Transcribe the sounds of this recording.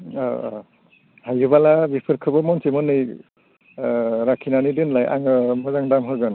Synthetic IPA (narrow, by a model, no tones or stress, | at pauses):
hajɯbalabipʰɯɾkʰɯbɯmɔnsemɯnɯj | ɾakʰinanidɯnlajʔa̰ŋɯmɔzaŋdamɦɯɡɯn